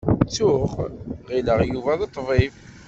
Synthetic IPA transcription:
t͡sːʊχʁiləʁjuvæðet̪ˤːvˤif

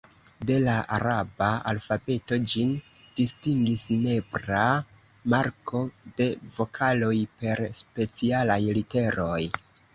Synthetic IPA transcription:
de̞laʔaɾabaa̰lfabe̞to̞d͡ʒin | d̥istiŋɡisne̞bɾa | maɾko̞de̞vo̞kʰalo̞jpe̞ɾspe̞t͡sialajlite̞ɾo̞j

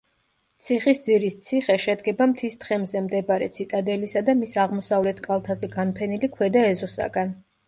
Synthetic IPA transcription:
t̪sʰiχisd̪ziɾist̪sʰiχɛʃɛd̪ɡɛbamt̪ʰist̪χɛmzɛmd̪ɛbaɾɛ̰t̪sʰit̪ʼad̪ɛlisad̪amisaʁmɔsavlɛt̪ʰkʼalˠt̪ʰazɛɡanpʰɛnilikʰwɛd̪aɛzɔsa̰ɡan

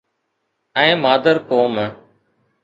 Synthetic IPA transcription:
ɛ̃ːmaːd̪əɾkoːm

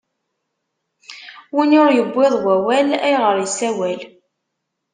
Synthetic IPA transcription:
winʊɾjəbːeðˤwæwælæjʁəɾjəsæwæl

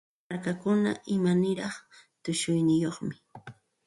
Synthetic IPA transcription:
aɾkakʊna̰ʔɪmanɪɾɑχt̪ʊʃʊjnɪjoχmɪ

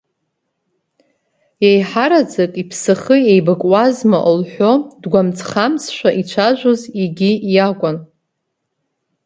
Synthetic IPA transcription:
jejħaɾad͡zakʼipʰsɨχɨejbɨkʼwazmaʔlħʷᶣodɡʷamt͡sʰʼχamsʰʃᶣʷaʔit͡ʃʷʰaʒʷoziɡʲijakʷʼʊn

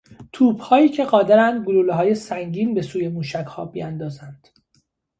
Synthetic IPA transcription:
t̪ʰuːbhɒːjiːcʰe̞ɢɒːd̪eɾænd̪ɡoluːleɦɒːje̞sæŋɟiːnbe̞suːje̞muːʃæchɒ̰ːbḭænd̪ɒːzænd̪̥

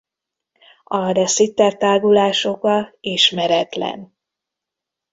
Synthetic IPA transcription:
ɒrɛsit̪ːɛrt̪aːɡulaːʃo̞kɒiʃmɛɾɛt̪lɛ̰n

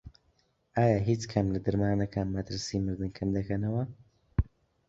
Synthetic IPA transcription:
ʔaːjaːɦiːt͡ʃkʰɐmlɐd̪ɨɾmaːnɐkʰaːnmɐt̪ɨɾsiːmɨɾd̪ɨnkʰɐnd̪ɐkʰɐnɐwɐ

